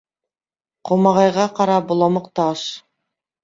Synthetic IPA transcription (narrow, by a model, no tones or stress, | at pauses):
qomɑʁɑjʁɑqɑɾɑbulˠɑmɤ̆qt̪ɑʃ